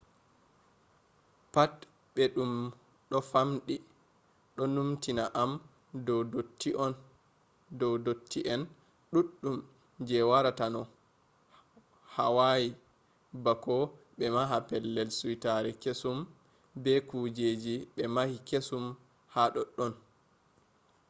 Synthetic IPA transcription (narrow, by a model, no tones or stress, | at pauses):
pat | ɓɛɗum | ɗɔfamɗi | ɗɔnumtinaʔam | dɔdotʰːiʔɔn | dɔwdotʰːiʔɛn | ɗuɗːum | d͡ʒɛwaɾatanɔ | ha̰waji | bakɔ | ɓɛmaɦapɛlːɛlsuwitaɾɛkesum | bɛkud͡ʒed͡ʒiɓɛmahikesum | haɗɔɗːɔn